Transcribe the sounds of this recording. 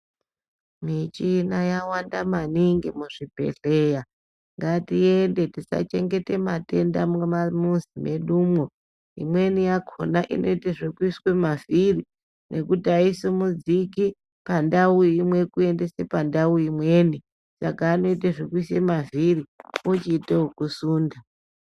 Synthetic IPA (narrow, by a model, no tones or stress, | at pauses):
mit͡ʃinajawandamaniŋɡemuʐ̥ipe̞̰ɬeja | ŋɡatie̞nde̞tisa̰t͡ʃe̞ŋɡe̞te̞mate̞nda̰mamuzime̞ɗumwo | imwe̞nijakʰo̰naʔḭno̞iteʐekuiswe̞maviri | nʔe̞kutiaisomud͡ziki | pandauimwe̞kue̞ndesepandauimweni | sakaːno̞iteʐekuiswemaviriut͡ʃiːteokusuːnda